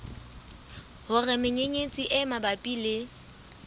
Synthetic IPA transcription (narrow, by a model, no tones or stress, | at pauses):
hʊrɪmɪɲeɲet͡sʼiʔɪmabapʼilɪ